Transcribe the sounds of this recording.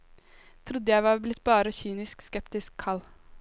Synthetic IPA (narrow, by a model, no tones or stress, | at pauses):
t̪ʰɾʊd̪ːəjæɪʋɑːɾblɪt̪ːbɑːɾəçyːnɪskskɛpt̪ɪskʰːɑl